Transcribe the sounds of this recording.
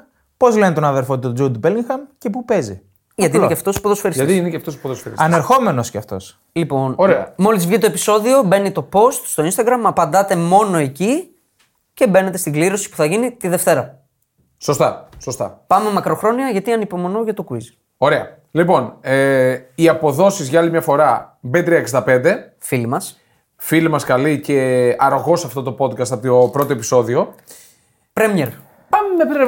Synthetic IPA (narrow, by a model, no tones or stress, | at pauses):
po̞zle̞net̪onɐðeɾfot̪et̪od͡zowd̪ubeliŋxɐmce̞p̬upe̞zḭ | ʝɐt̪ineceɐft̪o̞spoðosfeɾist̪iinɐft̪ospoðosfeɾɐneɾxo̞me̞nosceɐft̪o̞̰s | lipo̞noɾeɐ̰mo̞lizvʝit̪o̞e̞pi̥so̞ðio̞be̞nit̪o̞po̞st̪st̪oinst̪ɐɡɾɐmɐpɐnd̪ɐt̪e̞mo̞no̞eci | ce̞be̞ne̞t̪e̞st̪iɡliɾo̞si̥pu̥θɐʝinit̪iðe̞ft̪e̞ɾɐ | so̞st̪ɐsost̪ɐ̰pɐme̞mɐkɾo̞xɾo̞niɐʝɐt̪iɐnipo̞mo̞noʝɐt̪okuiz | o̞ɾeɐ | lipo̞neiɐpo̞ðo̞sizʝɐɐlimɲɐfo̞ɾɐbet̪ɾiɐeksd̪ɐpe̞nd̪e̞ | filimɐs | filimɐskɐlice̞ɐɾoɣo̞sɐft̪o̞t̪o̞po̞d̪kɐst̪ɐpt̪opɾo̞t̪oe̞pi̥so̞ðio̞ | pɾemeɾ | pɐmeme